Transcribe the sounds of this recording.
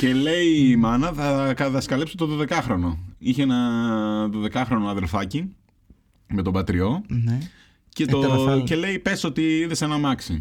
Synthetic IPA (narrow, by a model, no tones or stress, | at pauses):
ce̞le̞imɐnɐθɐkɐt̪ɐskɐlepsot̪oðoðe̞kɐxɾo̞no̞içeenɐðo̞ðe̞kɐxɾo̞noɐðe̞lfɐci | me̞t̪o̞bɐt̪ɾio̞n | cet̪oce̞le̞ipe̞sot̪iiðesenɐmɐksḭ